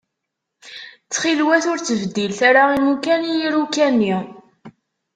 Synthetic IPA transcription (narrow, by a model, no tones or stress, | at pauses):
t͡sːχilwæθʊɾt͡sːəvd̪ːilθaɾaimukænijiɾukænːi